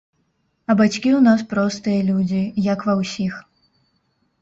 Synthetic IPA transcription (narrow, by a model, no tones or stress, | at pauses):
ɐbat͡sʲkʲiwnaspɾɔst̪ɨjɐlʲud͡zʲijɐkvɐwsʲix